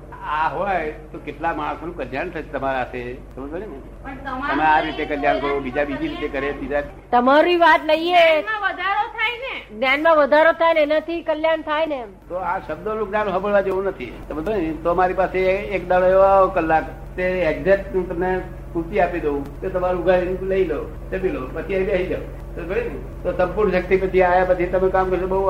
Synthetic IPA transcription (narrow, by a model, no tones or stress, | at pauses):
aɦojt̪okeʈlamaɽ̃əsonũkəljaɳt̪ʰat͡ʃʰet̪əmaɾaəset̪əmət̪bənine | t̪əmeaɾit̪ekəljaɳkəɾobid͡ʒabid͡ʒiɾit̪ekəɾebid͡ʒa | t̪əmaɾiʋat̪ləieãʋəd̪ʱaɾot̪ʰajneɡnjanmãʋəd̪ʱaɾot̪ʰajnenat̪ʰikəljaɳt̪ʰajne | t̪oaʃəbd̪olũknanɦəbəɭʋad͡ʒeũnət̪ʰḭt̪əmt̪ət̪omaɾipaseːkd̪aɭoeʋaokəlːak | t̪eed͡ʒdet̪nũt̪əmne | kut̪iapid̪eũk̪et̪əmaɾuɡʱanũləileo | t̪əbilopət͡ʃʰiaibaɦid͡ʒao̰ | t̪obəɽi | t̪osə̃mpuɾɳʃək̚t̪ipət͡ʃʰiajapət͡ʃʰit̪əmekamkəɾʃobəɦu